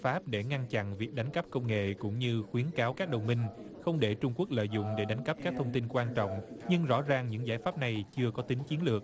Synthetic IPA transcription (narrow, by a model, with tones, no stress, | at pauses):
faː˦˥p̚ɗe˧˩ŋa˧nt͡ɕa̰˧˨nvi˨˩ək̚ɗa˨˦jŋ̟kə˦˥p̚kə˧wŋ͡mŋḛ˧˨kʊ̰˧˥ŋ͡mɲɨ˧xwi˨˦ənkaː˨˦wkaː˦˥k̚ɗə˨˩wŋ͡mmï˧ŋ̟xə˧wŋ͡mɗe˧˩t͡ɕʊ˧ŋ͡mku˦˥ək̚lə̰ː˧˨jzʊ̰˧˨ŋ͡mɗe˧˩ɗa˨˦jŋ̟ka˦˥p̚kaː˦˥k̚t̪ʰə˧wŋ͡mt̪i˧nkwaː˧nt͡ɕɔ̰˧˨wŋ͡mɲɨ˧ŋzɔ̰˧˥zaː˨˩ŋɲɨ̰˧˥ŋzaː˧˩jfaː˦˥p̚na˨˩jt͡ɕɨ˧əkɔ˨˦t̪ï˨˦ŋ̟t͡ɕi˨˦nlɨ˨˩ək̚